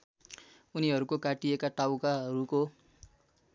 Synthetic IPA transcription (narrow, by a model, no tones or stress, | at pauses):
uniɦʌɾukokaʈiekaʈawkaɦʌɾuko